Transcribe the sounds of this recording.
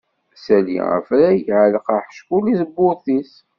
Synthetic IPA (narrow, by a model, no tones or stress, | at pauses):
sælḭʁə̰fɾæjʕələqaħə̥ʃkulisəbːʊɾθis